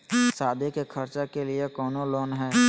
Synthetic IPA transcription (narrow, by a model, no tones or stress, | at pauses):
saːd̪ʱekekʰəɾt͡ʃakeliekɔːnoloːnɦɛː